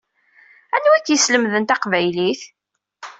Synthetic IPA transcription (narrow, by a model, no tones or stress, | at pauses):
ænːuækːjəsləmðənt̪ɑqvæjliθ